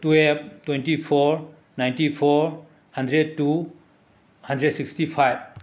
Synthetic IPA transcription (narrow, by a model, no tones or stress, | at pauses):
tueb̚twentipʰɔɾ | najntipʰɔɾ | handɾed̚tu | handɾedsikstipʰajb̚